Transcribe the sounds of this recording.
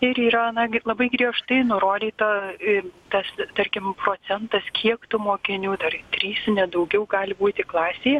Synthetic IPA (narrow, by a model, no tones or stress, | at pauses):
ɪɾiːɾɐɐnɐlˠɐbɐɪɡɾʲiɛʃt̪ɐɪnʊɾoːd̪ʲiːt̪ɐ | t̪ɐst̪ɐrʲkʲɪmpɾoːt͡s̪ʲɛnt̪ɐskʲʰiɛkt̪ʊmoːkʲɪnʲuːd̪ɐrt̪ʲɾʲiːsnʲɛd̪ɐʊɡʲɛʊɡɑːlʲɪbuːt̪ʲɪklˠɑːsʲeːj